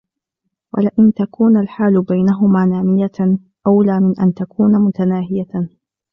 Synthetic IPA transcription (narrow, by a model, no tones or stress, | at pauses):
wa̰lɪʔɪnt̪akuːnalħaːlʊbajnaɦʊmaːnaːmɪja | ʔawlaːmɪnʔant̪akuːnamʊt̪anaːɦɪja